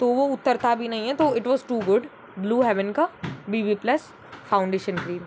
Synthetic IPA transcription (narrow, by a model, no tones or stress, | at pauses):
t̪oːʋoʊt̪ːəɾt̪abʱinɐɦĩɦɛt̪oːɪʈʋɔːzʈuːɡʊɖ | bluːɦɛʋə̃nkabiːbiplɐs | fãʊ̃ɳɖeːʃə̃nkɾiːn